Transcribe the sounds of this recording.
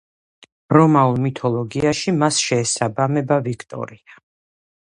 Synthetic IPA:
ɾɔmaulˠmit̪ʰɔlˠɔɡiaʃimasʃɛːsabamɛbavikʰt̪ʼɔ̰ɾia

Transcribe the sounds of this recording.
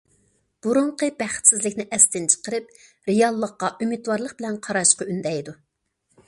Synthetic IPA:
b̥uɾuɴqʰəbæχt̪sɪzlɪkʲnɪʔɛst̪ɪnt͡ʃʰə̥qəɾɨp | ɾejɑlˠːəqːɑʔymit̪wɑɾlˠəq̚bɪlɛnqʰɑɾɑʃqɑynd̪ɛjd̪u

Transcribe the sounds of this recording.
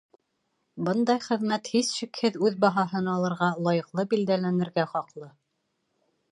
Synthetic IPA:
bɤnd̪ɑjχɘ̆ðmæt̪hisʃikhɘðʉðbɑɦɑɦɤnɑlˠɤ̆ɾʁɑlˠɑjɤ̆qlˠɤbild̪ælænɘ̆ɾɡæχɑqlˠɤ

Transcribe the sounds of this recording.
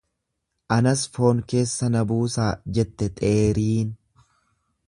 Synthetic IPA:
ʔɐnɐsfo̞ːŋke̞ːsːɐnɐbuːsaːd͡ʒɛt̪ːɛt̪ʼe̞ːɾiːn

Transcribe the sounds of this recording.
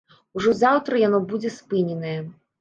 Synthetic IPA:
uʐɔzawt̪ɾɐjanɔbud͡zʲɛspɨnʲɛnɐjɛ

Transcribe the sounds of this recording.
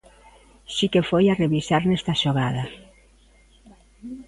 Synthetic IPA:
sikefojareβisaɾnɛst̪aʃoɣaða

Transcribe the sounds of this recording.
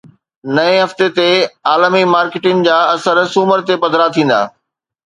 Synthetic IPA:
nɐẽɦɐft̪et̪eaːləmimaːɾkɪʈɪŋd͡ʑaːɐsəɾsuːməɾt̪epɐd̪ʱɾat̪ʰĩːn̆d̪a̰ː

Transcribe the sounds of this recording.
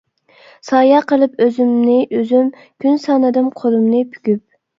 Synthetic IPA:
sɑːjɑqʰəlˠɨpøzymnɪʔøzym | kʲynsɑnɨd̪ɨmqʰolˠɨmnɨpʰy̥kʲyp̚

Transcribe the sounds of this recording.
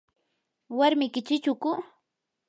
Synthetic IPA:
waɾmɪkɪt͡ʃɪt͡ʃʊkʊ

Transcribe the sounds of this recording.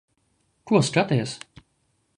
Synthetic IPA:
kuɔskat̪ʲɛjɛs

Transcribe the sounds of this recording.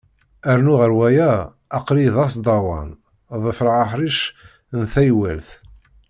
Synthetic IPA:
æɾnʊʁəɾwæjæː | qliðɑsd̪ˤɑwɑ̰n | ðˤəfɾʁaħɾiʃ | nθæjwæ̰lθ

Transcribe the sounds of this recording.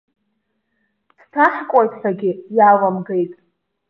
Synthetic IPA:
dtʰaħkʷʼajtʰħʷᶣaɡʲɪjalamɡejtʼ

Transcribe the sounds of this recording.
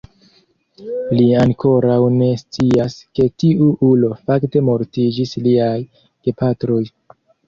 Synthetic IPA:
liaŋkʰo̞ɾawne̞st͡siaske̞tiuʔulo̞fakte̞mo̞ɾtid͡ʒisliaj | ɡ̥e̞patɾo̞j

